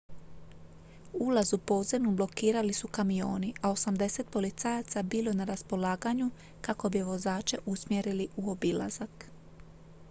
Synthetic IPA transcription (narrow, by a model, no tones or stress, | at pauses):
ulazupo̞ːd̪ze̞mnublo̞kiːɾalisukamijo̞ːniʔao̞samd̪e̞se̞t̪̚po̞lit̪sajat̪sabiːlˠo̞naɾaspo̞laːɡaɲu | kako̞biʋo̞zaːt͡ʃe̞ʔusmje̞ɾiliʔuo̞bila̰zak